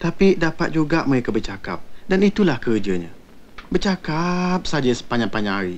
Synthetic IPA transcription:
t̪apidapat̪̚d͡ʒuɡaʔməɾekəbərt͡ʃaka̰p̚danit̪ulahkərd͡ʒaɲã̰ | bərt͡ʃakap̚sad͡ʒasə̥paɲaŋpaɲãŋɦaɾi

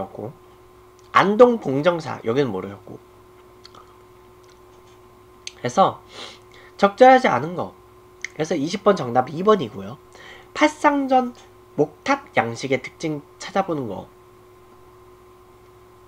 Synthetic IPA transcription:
ʌk̚k͈o̰ | a̰ndoŋpoŋd͡ʑʌŋsʰa̰jʌɡinɯnmoɾɯɕʌt̚k͈o̰ | ke̞sʰʌ | t͡ɕʌk̚t͡ɕ͈ʌɾɦad͡ʑia̰nɯnɡʌ | kɾesʰʌiɕʰip̚p͈ʌnt͡ɕʌŋnabibʌɲiɡojopʰaɭs͈aŋd͡ʑʌn | mok̚tʰab̚jaŋɕʰiɡe̞tɯ̥k̚t͡ɕ͈iŋt͡ɕʰad͡ʑabonɯnɡʌ̰

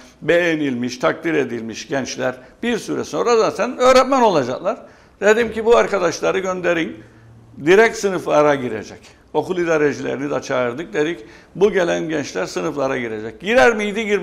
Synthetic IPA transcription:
be̞jenilʲmiʃt̪ʰak̚d̪iɾe̞d̪ilʲmiʃɟɛnt͡ʃlʲæɾb̥iɾsyɾɛ̰so̞nɾazaːt̪ʰænø̞ːɾɛt̪̚mæno̞lˠad͡ʒaklˠaɾ̥ | d̪̥e̞d̪imcʰibuaɾkʰad̪aʃlˠaɾɯɟønd̪e̞ɾin | d̪iɾɛc̚t̪sɯnɯflˠaɾaɟiɾḛd͡ʒɛc | o̞kulˠid̪aɾeʒilʲḛɾinid̪ɛt͡ʃʰaɯɾd̪ɯk̚d̪e̞d̪ic | buɟe̞lʲænɟɛnt͡ʃlʲæɾsɯnɯflˠaɾaɟiɾe̞d͡ʒɛc̚ɟiɾæɾmiid̪iɟiɾ

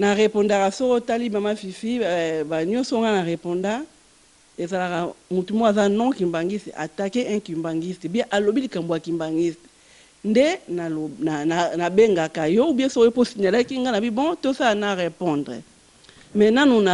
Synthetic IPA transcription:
naʁepɔ̃ndakasokotalimamafifibaɲɔ̃soŋɡanaʁepɔ̃nda | ezalakamutumoazanɔ̃kimbaŋɡisɛ̰ʔa̰takeʔɛ̃kimbaŋɡistebiɛ̃ʔalobilikamboakimbaŋɡist | ndenanananabeŋɡakajɔbɛsokoposiɲalakiŋɡanabibɔ̃tosalanaʁepɔ̃ndʁɛ̰ | mɛnanuna

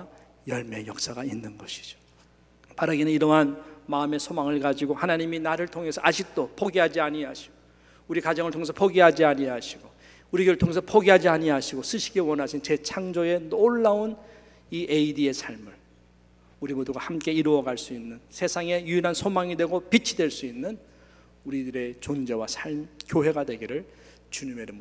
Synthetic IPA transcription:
jʌɭme̞jʌk̚s͈aɡainːɯnɡʌɕʰi̥d͡ʑo̥ | paɾaɡenɯniɾʌɦanmaɯme̞sʰomaŋɯɭkad͡ʑiɡohanaɲiminaɾɯɭtʰoŋe̞sʰʌad͡ʑik̚t͈opʰoɡiɦad͡ʑiaɲiɦaɕʰi̥ɡ̥o | uɾikad͡ʑʌŋɯɭtʰoŋesʰʌ̥pʰoɡiɦad͡ʑiaɲiɦaɕʰiɡo | uɾiɡɯɭtʰoŋe̞sʰʌpʰoɡiɦad͡ʑiaɲiɦaɕʰiɡos͈ɯɕʰi̥ɡewʌnɦaɕʰint͡ɕe̞t͡ɕʰaŋd͡ʑoe̞noɭːaon | iʔeidie̞sʰaɭmɯɭ | uɾimoduɡahamk͈e̞iɾoʌɡaɭs͈uinːɯnsʰe̞sʰaŋe̞juinɦansʰomaŋidwe̞ɡopit͡ɕʰidwe̞ɭs͈uinːɯn | uɾidɯɾe̞t͡ɕond͡ʑe̞wasʰaɭmkjoɦe̞ɡadwe̞ɡiɾɯɭ | t͡ɕuɲimeɾɯmu

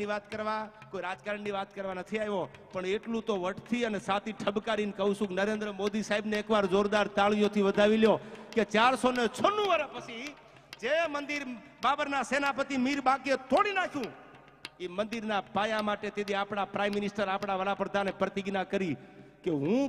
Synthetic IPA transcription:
iʋat̪kəɾʋakoiɾad͡ʒkaɾəɳniʋat̪kəɾʋanət̪ʰiaɦjʋopəɳeʈlũt̪oʋəʈt̪ʰiənesat̪iʈʰəbkaɾinkəɦũsũknəɾend̪ɾəmod̪isaɦibneeːkʋaɾzoɾd̪aɾt̪aɭjot̪ʰiʋəd̪ʱaʋiljoket͡ʃaɾsonet͡ʃʰənːũʋəɾəpət͡ʃʰi | d͡ʒemənd̪iɾ | babəɾnasenapət̪imiɾbakiet̪ʰoɽinakʰjũ | imənd̪iɾnapajamaʈet̪ed̪iapɽapɾaimːɪnɪsʈəɾapɽ̃aʋəɾapɾəd̪ʱanepɾət̪iɡnakəɾi | keɦũ

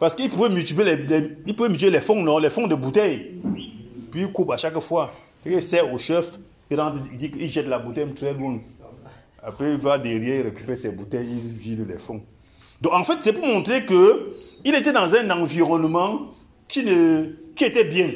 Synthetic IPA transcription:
pasə̥kipuvemytivelɛlipuvemt̬ielɛfɔ̃ŋnɔ̃lɛfɔ̃ŋdəbutɛj | pikopaʃakəfwa | kɛkeisɛoʃɛf | iɾãtdikiʒɛtlabutɛtɾɛlwɔ̃n | a̰peivadeɾjɛiɾekypɛsɛbutɛjividəlɛ̰fɔŋ | dɔ̃kãfɛt̚sɛpumɔ̃tɾekəiletedãzɛ̃nãviʁɔnmã | kinəkietɛbjɛ̃

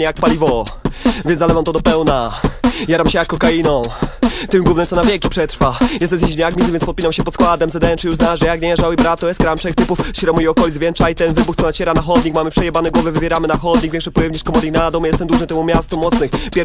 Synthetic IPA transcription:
ɲɛjak̚palʲivɔvʲjɛnalɛvamt̪ɔd̪ɔpɛwnajaɾamɕɛjakːɔkainɔ̃w̃t̪ɪmɡwuvnɛt̪ɔnavʲjɛkʲipʂɛt̪ɾfajɛst̪ɛnzʲĩd͡ʑɲaɡmʲitzɨvjɛnspɔt̪̚pʲinamɕɛpɔt̪skwad̪ɛmzɛd̪ɛɛnt͡ʂɨjuʐznaʐɛjakɲɛɛʐawɘbɾat̪ːɔjɛst̪̚kɾamt͡ʂɛkt̪ɘpufɕɾɔmujiɔkɔlʲid̪zvjɛnt͡ʂajit̪ɛnvɘbuxt̪sɔnat͡ɕɛɾanaxɔd̪ɲikmamɘpʂɛjɛbanɛɡwɔvɛvɘvʲjɛɾamɘnaxɔd̪ɲiɡvʲẽŋkʂɛpɔjɛvɲʲiskɔmɔɾɲʲiɡnad̪ɔmjɛst̪ɛmd̪uʐnɨt̪ɛmumʲjast̪umɔt̪snɘxpʲjɛ

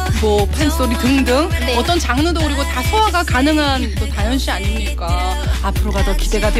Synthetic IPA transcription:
mʌpʰens͈oɾitɯŋdɯŋneʌt͈ʌnt͡ɕaŋnɯdoɯɾiɡotasʰowaɡakanɯŋɦantotajʌnɕ͈ʰiaɲimɲik͈a | apʰɯɾobadʌkide̞ɡadwe

